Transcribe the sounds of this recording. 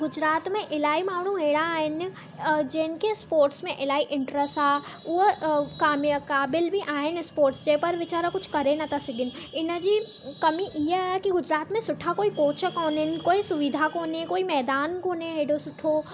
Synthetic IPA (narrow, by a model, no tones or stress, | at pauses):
ɡʊd͡ʒɾaːt̪mẽʔɪlaːimaːʋɽ̤̃ũɦeːɽ̃aːɦɪn | d͡ʒeːnkespoːɾʈsmẽʔɪlaːiʔɪ̃ɳʈɾəsʈɦaː | ʊɦkaːmjəkaːbɪlbʱiʔaːɦɪnɪspoːɾʈsd͡ʒepɐɾʋɪt͡ʃaːɾakʊt͡ʃʰkɐɾenat̪ʰasɪɡɪn | ɪnd͡ʒi | kɐmiʔiɦekiɡʊd͡ʒɾaːt̪mẽsʊʈʰakoːikoːt͡ʃəkoːnɪnkoːisʊʋɪd̪ʱakoːnekoːimɛːd̪aːnkoːneɦeːɖosʊʈʰoː